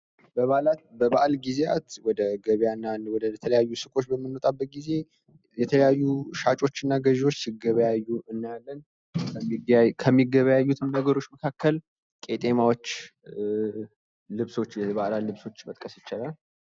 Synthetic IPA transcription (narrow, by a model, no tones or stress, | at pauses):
bəβaʔlat̪bəβaʔalɡizea̰t̪wɔd̪əɡəβjanːawɔd̪əjɛt̪ʰələjajːusɨkʼo̞t͡ʃːbəmːɨnːot̪ʼabːət̪̚ɡize̞ | jɛt̪ʰələjajːuʃat͡ʃʼo̞t͡ʃːɨnːaɡəʒwo̞t͡ʃːsɪɡəβəjajːuʔɨnːjalːən | kʰəmːiɡəβəjajːut̪ʰɨmnəɡəɾo̞t͡ʃːməkʰakːəl | kʼe̞t̪ʼe̞mawot͡ʃː | lɨβso̞t͡ʃːjɛβaʔlalɨβso̞t͡ʃːmət̪ʼkʼəsjɪt͡ʃalal